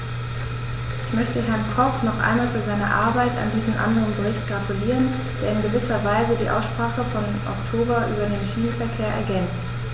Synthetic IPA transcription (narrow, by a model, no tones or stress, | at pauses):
ʔɪçmœçtəɦɛɐnkʰɔpnɔχʔa̰ɪnmaːlfyːɐzaɪnəʔa̰ɐbaɪta̰ndiːzn̩ʔa̰ndəʁənbəʁɪçt̚ɡ̥ʁatuliːʁ̞ən | d̥eːɐɪnɡəvɪsɐvaɪzədiːʔa̰ʊsʃpʁ̥aːχəfɔn | ʔɔ̰ktʰoːbɐʔyːbɐdeːnʃiːnəfɛɐkʰeːɐʔɛ̰ɐɡɛnt͡st